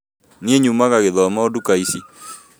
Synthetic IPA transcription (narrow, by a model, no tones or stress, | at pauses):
nieɲumaɣaɣeðɔmaodukaisi